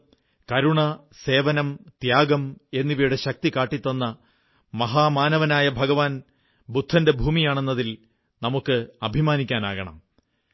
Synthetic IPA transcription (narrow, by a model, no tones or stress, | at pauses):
kɐɾuɳɐ | se̞ːʋɐnɐmt̪jaːɡɐme̞nːiʋijuɽe̞ɕɐk̚t̪ikaːʈːit̪ːɐnːɐ | mɐɦaːmaːnɐʋɐnaːjɐbʱɐɡɐʋaːn | bud̪ʱːɐnde̞bʱuːmijaːɳe̞nːɐðil | nɐmukːɨɐbʱimaːnikʲːaːna̰ːɣɐɳɐ̰m